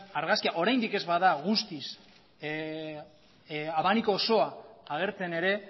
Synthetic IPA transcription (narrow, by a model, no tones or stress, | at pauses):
aɾɣaskiaʔo̞ɾajnd̪ike̞zβaðaɣ̞ust̪is | aβanikoːso̞aaɣ̞e̞ɾt͡se̞ne̞ɾe̞